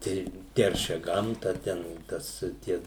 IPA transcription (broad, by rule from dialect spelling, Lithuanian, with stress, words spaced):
ˈtʲɛɪ ˈtʲɛrʲʃʲɛ ˈɡɐmtɐ ˈtʲɛn ˈtɐs ˈtʲiɛ